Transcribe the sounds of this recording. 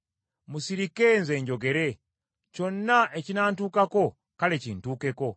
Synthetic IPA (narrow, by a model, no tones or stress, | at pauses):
musiɾikenze̞ːɲɟo̞ɡe̞ɾe | co̞nːaʔecinaːntuːkako̞ | kalecintuːke̞ko̞